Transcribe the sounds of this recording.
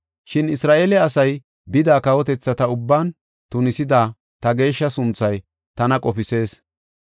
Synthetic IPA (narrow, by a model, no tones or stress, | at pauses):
ʃɪnɪsɾaːʔelɛɐsɐj | bɪd̪aːkɐwɔt̪ɛt͡sːɐt̪ɐʊbːaːn | t̪ʊnɪsɪd̪aː | t̪ɐɡe̞ːʃːɐsʊnt͡sːɐj | t̪ɐnɐkʼɔpɪse̞ːs